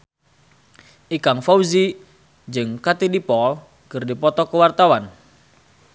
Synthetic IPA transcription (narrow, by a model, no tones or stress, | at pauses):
ʔikaŋfawzi | d͡ʒɨŋkat̪idipɔl | kɨrdipɔt̪ɔkəwart̪awan